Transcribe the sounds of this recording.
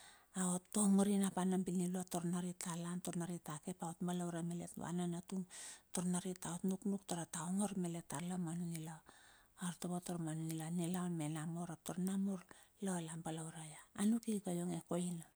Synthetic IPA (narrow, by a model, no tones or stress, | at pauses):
aotːomuɾinapanambiniloatoɾnaɾitalantoɾnaɾitake̞paotmbalawɾamelḛtβa̰nanatuŋtoɾnaɾitaotnuknuk̚toɾataoŋoɾmeletːalamanunilaaɾtoβotoɾmanunilanilaonmenamoɾap̚toɾnamuɾlolambalawɾajaːnukikajoŋekoina